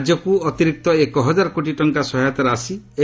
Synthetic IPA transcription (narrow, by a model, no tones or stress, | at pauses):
d͡ʒjɔkuɔt̪iɾik̚t̪ɔekɔɦɔd͡ʒaɾɔkoʈiʈɔŋkasɔɦajɔt̪ɔɾasi | e